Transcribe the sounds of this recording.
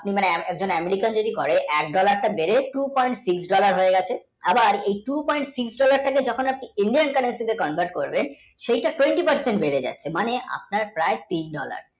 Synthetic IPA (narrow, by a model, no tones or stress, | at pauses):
apnimaneɛk̚d͡ʑonɛmeɾikand͡ʑod̪ikɔɾeʔɛkɖɔlaɾʈabeɾeʈupɔjɳʈsiksɖɔlaɾɦoeɡɛt͡ɕʰe | abaɾejʈupɔjɳʈsiksɖɔlaɾʈaked͡ʑɔkʰonap̚niiɳɖiankaɾensid̪ekɔnbʱaɾʈ̚koɾben | ʃejʈaʈweɳʈipaɾseɳʈbeɾed͡ʑa̰tːɕʰemaneʔa̰p̚naɾpɾaet̪inɖɔ̰la̰ɾ